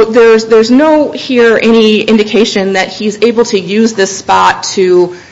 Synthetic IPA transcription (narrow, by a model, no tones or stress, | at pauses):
ðə˞zðə˞znoʊhiɹɛñiɪ̃ndɨkʰeɪʃɨ̃nðɨt̚hiɨzeɪbl̩ˠtʰɨjʉzðɪspɑtʰɨ